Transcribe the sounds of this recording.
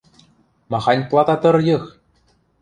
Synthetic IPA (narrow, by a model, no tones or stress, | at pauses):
mɑχɑnʲplˠɑt̪ɑt̪ɤ̆rjɤ̆x